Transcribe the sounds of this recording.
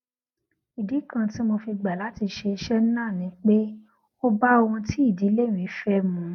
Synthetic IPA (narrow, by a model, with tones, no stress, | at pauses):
i˨di˨˦kã˧ti˦mo˧fi˧ɡ͡ba˨la˨˦ti˧ʃe˧ʃɛ˦n˦nãː˦˨nĩ˨˦k͡pe˦ | o˦ba˦o˧hũ˧ti˦i˦˨di˨˦le˦˨wĩ˨˦fɛ˦mũ˧˦